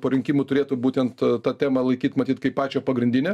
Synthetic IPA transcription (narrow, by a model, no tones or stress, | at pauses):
poːɾʲɪŋʲkʲimʊt̪ʊɾʲeːt̪ʊbuːt̪ʲɛnt̪t̪ɑːt̪ʲæːmɐlˠɐɪkʲiːt̪mɐt̪ʲiːt̪kɐɪppɑːt͡ʃʲoːpɐɡɾʲɪnʲd̪ʲɪnʲɛ